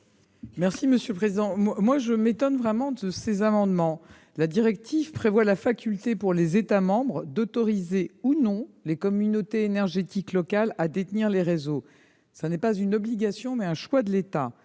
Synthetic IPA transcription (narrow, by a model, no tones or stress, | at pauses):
mɛʁsiməsjøləpχezid̪ɑ̃mwamwaʒəmet̪ɔnvʁɛmɑ̃d̪əsezamɑ̃d̪mɑ̃ | lad̪iʁɛk̚t̪ivpχevwalafakʲylt̪epuʁlezet̪amɑ̃bʁd̪ɔt̪ɔʁizeunɔ̃lekɔmynot̪eːnɛʁʒet̪iklɔkalad̪et̪niʁleʁezo | sanɛpazynɔbliɡasjɔ̃mɛɛ̃ʃwad̪əlet̪a